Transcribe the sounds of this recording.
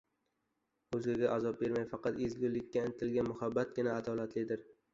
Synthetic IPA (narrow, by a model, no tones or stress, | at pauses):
ɵzɡʲɪɡʲaʔazɒp̚beɾmajfɑqɑt̪ezɡʲʊlːɪkʲːaɪnɪt̪ʰɪlɡʲanmʊhabːat̪̚ɡʲɪnaːd̪ɒlat̪lɪd̪ɪɾ